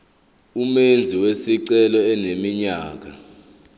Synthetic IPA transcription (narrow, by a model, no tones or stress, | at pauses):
umend͡zʱiwesiǀɛlɔɛnemiɲaːk̬a